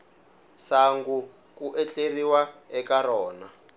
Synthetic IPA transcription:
saŋɡu | kuʔɛt͡ɬeriwaɛkaɾɔːna

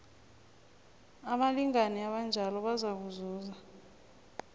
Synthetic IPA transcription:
aɓaliŋaniaɓand͡ʒʱalɔɓazak̬uzuːza

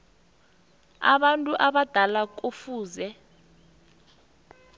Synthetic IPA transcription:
a̰ɓantʼuʔaɓad̥ʱalak̬ʼufuːzɛ

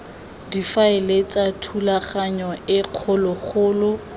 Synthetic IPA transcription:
difaɪlet͡sʼatʰulaχaɲɔɪq͡χʰʊlʊχʰʊːlʊ

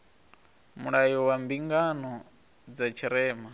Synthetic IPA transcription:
muɺajɔwambiŋɡanɔ | d͡zat͡ʃʰiɾɛːma

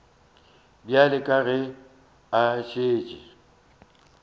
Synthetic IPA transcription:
bjalɪkʼaɣɪ | aʃeːt͡ʃʼɪ

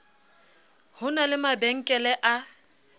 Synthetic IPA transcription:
hʊnalɪmabɛŋ̩kʼɛlɛʔa

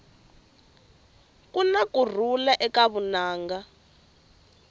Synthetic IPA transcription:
kʼunakur̤ulaʔɛkaβunaːŋɡa

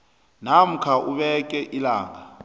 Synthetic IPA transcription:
nam̩kʰaʔuɓɛk̬ʼɛʔilaːŋa

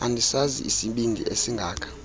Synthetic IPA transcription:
andʱisazḭisiɓindʱḭesiŋɡʱaːkʰḁ

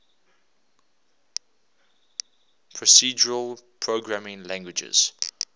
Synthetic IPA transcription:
pʰɹɔsiːd͡ʒəɹəlˠpʰɹoɡɹamɪ̃ŋlæ̃ŋɡwɪd͡ʒə̰z̥

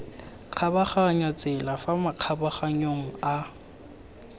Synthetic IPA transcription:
q͡χʰabaχaɲat͡sʼɪlafamaq͡χʰabaχaɲoŋ̩a

